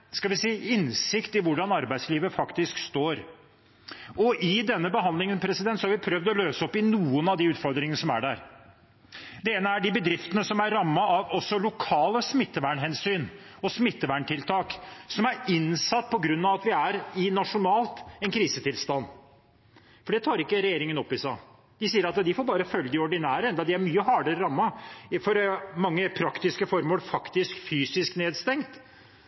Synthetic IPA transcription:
skɑlʋɪsiːɪnsɪkt̪ɪʋʊɖɑnɑɾbæɪd̪sliːʋəfɑkt̪ɪskst̪oːɾ | ɔʔɪd̪ɛnːəbəɦɑnlɪŋənpʰɾɛsɪd̪ɛnt̪sɔhɑɾʋɪpʰɾœvd̪ɔløːsəɔpɪnuːənɑd̪ɪʉːt̪fɔɾd̪ɾɪŋənəsɔmæ̰ɖæ̰ɾ | d̪ɛeːnəæɖɪbəd̪ɾɪft̪ənəsɔmæɾɾɑmːəɑʋɔsːɔlʊkʰɑːləsmɪt̪ːəʋæɳɦɛnsyːn | ɔsmɪt̪ːəʋæɳʈʰɪlt̪ʰɑːksɔmæɾɪnsɑt̪ːpʰɔɡɾʉnːɑʋɑt̪ʋɪæɾɪnɑʂʊnɑːlt̪ɛnkʰɾiːsət̪ʰɪlst̪ɑnː | fɔɖɛt̪ʰɑːɾɪkːəɾɛjeːɾɪŋənɔpːɪsɑɪ | d̪̥ɪsiːəɾɑt̪d̪ɪfoːɾbɑːɾəfœlːəd̪ɪɔɖɪnæːɾəɛnd̪ɑd̪ɪæɾmyːəɦɑːɖəɾəɾɑmːɑfɔɾmɑŋːəpʰɾɑkt̪ɪskəfɔɾmoːlfɑkt̪ɪskfyːsɪskneːd̪st̪ɛŋt̪

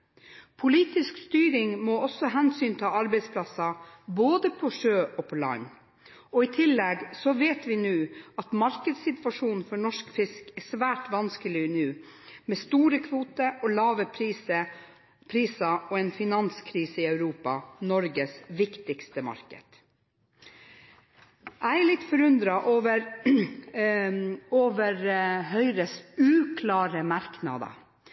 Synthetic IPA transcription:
pʰʊliːt̪ɪskst̪yːɾɪŋmoːɔsːɔɦɛnsyːnt̪ʰɑːɑɾbɛɪspʰlɑsɑboːd̪əpʰɔʂøːʔɔpʰɔlɑ̰ɲ | ɔɪt̪ʰɪlːɛɡsɔʋeːt̪ʋɪnʉːɑt̪mɑɾkəd̪sɪt̪ʋɑʂuːnfɔɳɔʂkfɪskɛsʋæːʈʋɑnskəlɪnʉː | mɛst̪uːɾəkʰʋuːt̪əɔlɑːʋəpʰɾiːsə | pʰɾiːsɑɔɛnfɪnɑnskʰɾiːsəɪœʉɾuːpɑnɔɾɡəsʋɪkt̪ɪkst̪əmɑ̰ɾkə̰d̪̥ | ʔæɪlɪt̪ːfɔɾʉnd̪ɾɑʔoʋəɾ | oːʋəɾɦœʏɾəsʉːkʰlɑːɾəmɑɾknɑ̰d̪ɑ̰

